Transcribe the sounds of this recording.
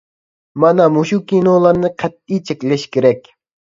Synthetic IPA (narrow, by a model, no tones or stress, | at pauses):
mɑnɑmuʃukʲinolˠɑɾnɨqʰɛt̪̚ːijt͡ʃʰekʲlɛʃkʲeɾɛkʲ